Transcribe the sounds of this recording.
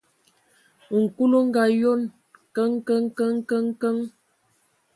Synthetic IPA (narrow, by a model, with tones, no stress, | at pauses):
ŋ̩˨ku˦lo˦ŋ˦ɡa˨jo˦n | kə˦ŋkə˦ŋ˦kə˦ŋ˦kə˦ŋkə˦ŋ